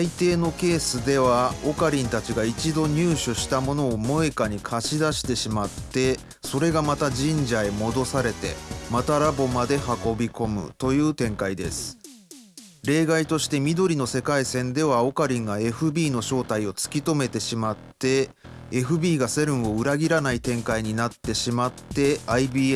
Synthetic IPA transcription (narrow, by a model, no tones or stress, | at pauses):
sait̪e̞ːno̞ke̞ːsɨd̪e̞βao̞kaɾʲĩnt̪at͡ɕiɡait͡ɕid̪o̞ɲ̟ɨːɕɨɕi̥t̪amo̞no̞ːmo̞ekaɲ̟ikʰaɕid̪aɕi̥t̪e̞ɕimat̪ːe̞ | so̞ɾe̞ɡamat̪aʑĩɲ̟d͡ʑaemo̞d̪o̞saɾe̞t̪e̞̰mat̪aɾabo̞mad̪e̞hako̞bʲiko̞mɯ̟̰t̪o̞jɯ̟ːt̪ẽ̞ŋkaid̪e̞̰sɨ̥ | ɾe̞ːɡait̪o̞ɕi̥t̪e̞mʲid̪o̞ɾʲino̞se̞kaisẽ̞nd̪e̞β̞ao̞kaɾʲĩŋɡae̞ɸɯ̟bʲiːno̞ɕo̞ːt̪aio̞t͡sɨ̥kʲit̪o̞me̞t̪e̞ɕimat̪ːe̞ː | ɸɯ̟bʲiːɡase̞ɾɯ̟̃ɰ̃o̞ɯ̟ɾaɡʲiɾanait̪ẽ̞ŋkaiɲ̟inat̪ːe̞ɕimat̪ːe̞aibʲiː